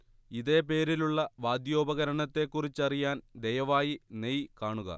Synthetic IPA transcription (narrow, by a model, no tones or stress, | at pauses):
iðe̞ːpe̞ːɾiluɭːɐʋaːd̪jo̞ːbɐɣɐɾɐɳɐt̪ːe̞kːurit͡ɕːɐrijaːnd̪ejɐʋaːjinejkaːɳuɣɐ̰